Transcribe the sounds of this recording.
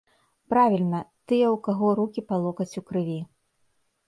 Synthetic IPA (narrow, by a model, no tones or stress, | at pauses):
pɾavʲilʲnɐt̪ɨjɛwkaɣɔɾukʲipalˠɔkɐt͡sʲukɾɨvʲi